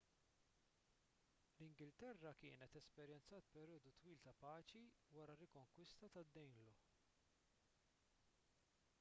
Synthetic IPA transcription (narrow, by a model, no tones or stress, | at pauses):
lɪŋɡɪlt̪ɛrːɐkɪːnɛt̪ɛspɛɾjɛnt͡sɐːt̪̚pɛɾjɔːd̪ut̪wiːlt̪ɐpɐːt͡ʃiwɐɾɐɾɪkɔŋkwɪst̪ɐt̪ɐd̪ːɛjnlɔ